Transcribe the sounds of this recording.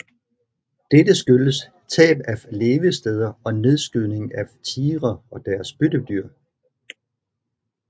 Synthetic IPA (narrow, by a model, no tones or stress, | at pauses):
d̥edəsɡ̥øləs | t͡sʰɛ̰ːb̥æle̝ːʋəsd̥eð̞ˠɐɒ̽ne̝ð̞ˠsɡ̥yne̝ŋæt͡sʰiːʁɐɒ̽d̥æɐsb̥ød̥əd̥yɐ̰